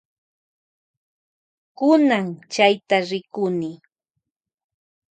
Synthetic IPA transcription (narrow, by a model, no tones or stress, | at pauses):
kʊnaŋt͡ʃajt̪aɾɪkʊnɪ